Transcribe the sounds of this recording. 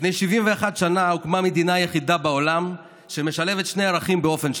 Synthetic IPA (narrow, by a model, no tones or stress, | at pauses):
nejʃivimveaχad̪ʃanaukmame̞d̪inajeχid̪abaolam | ʃeme̞ʃale̞vet̪ʃne̞jaʁaχimbeo̞fe̞nʃ